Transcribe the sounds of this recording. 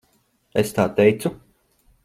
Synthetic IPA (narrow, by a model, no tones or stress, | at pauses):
est̪aːt̪ɛjt̪su